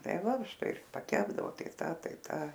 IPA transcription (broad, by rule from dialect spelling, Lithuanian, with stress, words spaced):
ˈtɐɪ ˈʋɐ ˈʃtɐɪ ɪr pɐˈkʲæːbdɐʋoː ˈtɐɪ ˈtɐ ˈtɐɪ ˈtɐ